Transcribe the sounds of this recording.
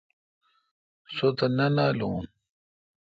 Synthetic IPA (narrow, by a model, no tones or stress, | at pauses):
sot̪ɐnɐnaːluːn